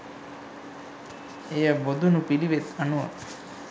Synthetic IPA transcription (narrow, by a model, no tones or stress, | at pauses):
ejəbod̪ʱunupiliʋet̪anuʋa̰